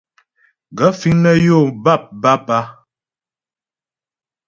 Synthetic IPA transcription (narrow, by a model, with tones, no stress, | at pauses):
ɡə˨˦fi˨˦ŋnə˦jo˦˨ba˦˨p̚ba˦pa˦